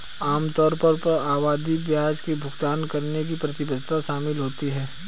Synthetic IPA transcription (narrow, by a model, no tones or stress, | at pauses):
aːmt̪ɔːɾpɐɾpɐɾaːʋaːd̪ibjaːd͡ʒkebʱʊɡt̪aːnkɐɾnek̬ipɾɐt̪ɪbəd̪ʱt̪aʃaːmɪlɦoːt̪iɦɛː